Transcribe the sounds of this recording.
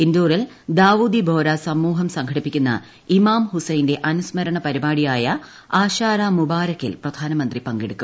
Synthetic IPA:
ind̪uːril | d̪aːʋuːd̪ibʱoːɾasɐmːuːɦɐmsɐŋkʰɐɽipːikʲːunːɐ̰ | imaːmhusɐjnde̞ʔɐnusmɐɾɐɳɐpɐɾibaːɽijaːjɐ | aːɕaːɾaːmubaːɾɐkːilprɐd̪ʱaːnɐmɐnd̪ripɐŋɡeɽukːu

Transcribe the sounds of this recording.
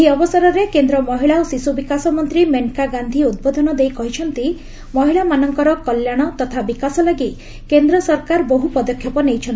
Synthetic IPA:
eɦiɔbɔsaɾɔɾekend̪ɾɔmɔɦiɭaosisubikasɔmɔnt̪ɾimeŋkaɡand̪ʱiud̪̚bod̪ʱɔnɔd̪ejkɔɦit͡ʃʰɔnt̪i | mɔɦiɭamanɔŋkɔɾɔkɔljaɽ̃ɔt̪ɔt̪ʰabikasɔlaɡi | kend̪ɾɔsɔɾkaɾboɦupɔd̪ɔkʰjɔpɔnejt͡ʃʰɔnt̪i

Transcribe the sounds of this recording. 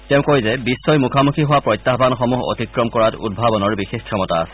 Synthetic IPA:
tɛʊ̃koɹizɛbisːɔjmukʰamukʰiɦʊwapɹɔjt̪ːaɦbʱanxɔmuɦo̰tikɹɔmkɔɹatṵd̚bʱabɔnɔɹbixexkʰɹɔmɔtaːsɛ̥

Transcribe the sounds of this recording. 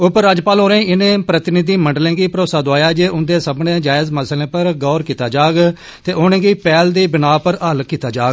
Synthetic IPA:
ʊpəɾːaːd͡ʒpaːlɦoːɾẽːʔɪnẽːpɾət̪ɪnɪd̪iːməɳɖlẽːɡiːpəɾoːsaːd̪oaːjaːd͡ʒeːʔʊnd̪eːsəbnẽːd͡ʒaːɪzməslẽːpəɾɡɔːɾkiːt̪aːd͡ʒaːɡ | t̪eːʔoːnẽːɡiːpɛːld̪iːbɪnaːpəɾɦəlkiːt̪aːd͡ʒaːɡ

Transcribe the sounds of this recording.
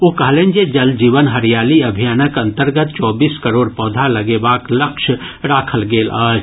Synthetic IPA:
oːkəɦlẽːnd͡ʒed͡ʒəld͡ʒiːʋənɦəɾjaːliɐbʱijaːnəkɐ̃nt̪əɾɡət̪̚t͡ʃɔːbiːskəɾoːɽpɔːd̪ʱaləɡebaːkləkʃ | ɾaːkʰəlɡeːlaːd͡ʒ

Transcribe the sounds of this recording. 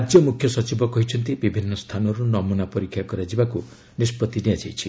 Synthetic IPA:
ad͡ʒjɔmukʰjɔsɔt͡ʃibɔkɔɦit͡ʃʰɔnt̪̬ibibʱinːɔst̪ʰanɔɾunɔmunapɔɾikʰjakɔɾad͡ʒibaku | nispɔt̪ːiniad͡ʒajt͡ʃʰi

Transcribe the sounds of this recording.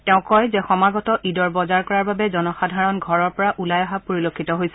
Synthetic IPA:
tɛʊ̃kɔjzɛxɔmaɡɔtɔʔidɔɹbɔzaɹkɔɹaɹbabɛzɔnɔxadʱaɹɔnɡʱɔɹɔɹpɔɹaʔulajaɦapoɹilokʰːitɔɦojsɛ

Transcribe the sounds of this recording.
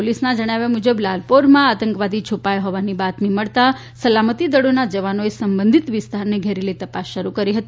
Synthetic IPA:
olisnãd͡ʒəɽ̃aʋjamud͡ʒəblalpoɾmãat̪ə̃ŋkʋad̪it͡ʃʰupajoɦɔʋanibat̪miməɭt̪a | səlamət̪id̪əɽonad͡ʒəʋanoesəmbə̃nd̪ʱit̪ʋɪst̪ʰaɾneɡʱeɾelit̪əpasʃəɾukəɾiɦət̪i

